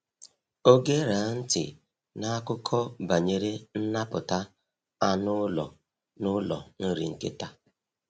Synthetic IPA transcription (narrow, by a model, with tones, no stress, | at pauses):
o˦ɡe˦ɾa˨˦n̩˦tɪ̰˨ | na˦a˦kʊ˦kʰɔ˦ba˨ɲe˨ɾe˦n̩˦na˦pʊ˨ta˦ | a˦nʊ˦lɔ̰˨ | nʊ˦lɔ̰˨n̩˦ɾi˨ŋ̩˨kḛ˦ta˦